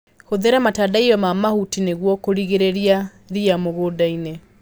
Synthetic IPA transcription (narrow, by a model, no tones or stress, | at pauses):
ɣoðɛɾamatadaiɔmamahutineɣwɔkoɾiɣeɾeɾia | ɾiamoɣoːdaine